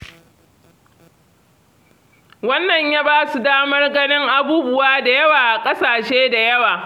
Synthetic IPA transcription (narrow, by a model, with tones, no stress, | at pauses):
wɐ˦nːɐ˨ɲjaː˦baː˦su˨daː˦mɐ˦rɡɐ˦nɪ˦ŋʔa˦buː˦bʊ˦waː˦da˨jɐ˦waː˨ʔa˨kʼɐ˦saː˨ʃeː˦da˨jɐ˦waː˨